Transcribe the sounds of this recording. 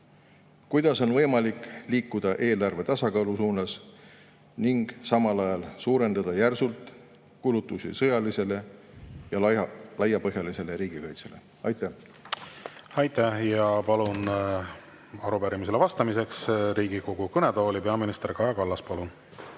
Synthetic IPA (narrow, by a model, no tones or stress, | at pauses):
kujd̪̥ɑso̞nvɤ̞jmɑlikːˑliːkːˑud̪̥ɑʔe̞ːlɑrve̞t̪ɑsɑkɑːlusuːnɑs | niŋɡ̥sɑmɑlɑjɑlsuːɾe̞nd̪̥ɑd̪̥ɑjærsult̪ˑ | kulut̪ːˑusḭsɤjɑlise̞le̞ | jɑlɑjɑpɤɦjɑlise̞leɾiːɡ̥ikɑjt̪se̞le̞̰ | ɑjt̪ːˑæ | ɑjt̪æjɑpɑlun | ɑɾupæɾimis̬elevɑst̪ɑmise̞ksɾiːɡiko̞ɡ̥ukɤned̪oːlipeɑminist̪eɾkɑjɑkɑlːɑspɑlun